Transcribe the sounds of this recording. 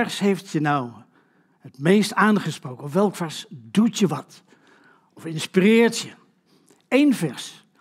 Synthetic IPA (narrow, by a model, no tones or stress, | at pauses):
ɛrsɦejftjənɔw | hətmejstaːnχəsprowkənɔfʋɛlˠkfɛɹsdutjəʋɑt | ɔfɪnspirɪːɹtjə | ejnvɛɹs